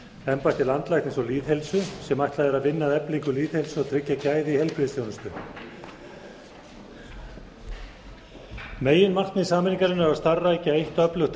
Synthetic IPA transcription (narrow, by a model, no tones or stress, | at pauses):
ɛmpajht̪ʰɪlant̪lajht̪ɪnsɔliːðhelsʏsɛmajht̪laðɛɾaðvɪnːaðɛpliŋkʏliːðhelsʏɔt̪ʰɾɪcːacaːjðɪihɛlpʰɾiðɪsθʰjownʏst̪ʏ | meːjːɪnmar̥t̪nɪðisaːmɪniŋkaɾɪnɛɾaðst̪arːaɛjcaejht̪œplʏxt̪